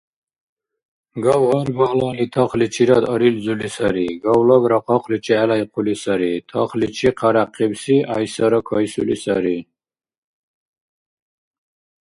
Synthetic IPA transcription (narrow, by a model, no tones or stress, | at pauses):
ɡawʁɔɾbalanit̪ʰɔχlit͡ʃʰiɾad̪ɔɾild͡zulisaɾiɡawlɔbɾaqʰɔqʰlit͡ʃʰiɛlajqʰulisaɾit̪ʰɔ̰χlit͡ʃʰiqʰaɾaqʰːibsiajsaɾɔkʰɔjsṵlisaɾi